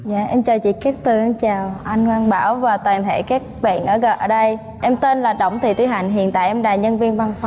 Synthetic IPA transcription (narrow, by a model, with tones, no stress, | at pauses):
za̰ː˧˨ʔɛ˧mt͡ɕəː˨˩t͡ɕḭ˧˨kɛ˦˥k̚t̪ɨ˨˩ʔa˧nt͡ɕaː˨˩wʔa˧jŋ̟kwaː˧ŋɓaː˧˩wvaː˨˩t̪waː˨˩ŋt̪ʰḛ˧˩kaː˦˥k̚ɓa̰ː˧˨nʔəː˧˩ɣə˨˧˨ʔəː˧˩ɗə˧j | ʔɛ˧mt̪e˧nlaː˨˩ɗə̰˧˩wŋ͡mt̪ʰi˨˩t̪wi˧˩ɦa˨˩jŋ̟ɦḭ˧˨ənt̪a̰ː˧˨jʔɛ˧mɗaː˨˩ɲə˧nvi˧ənva˧nfa˧˦